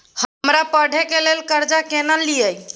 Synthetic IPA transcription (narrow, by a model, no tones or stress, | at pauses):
hmɾapəɽʱekelelkəɾd͡ʒakenəlːiəj